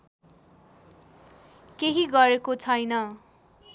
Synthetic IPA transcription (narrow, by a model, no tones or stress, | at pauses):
keɦiɡʌɾekot͡sʰʌjnʌ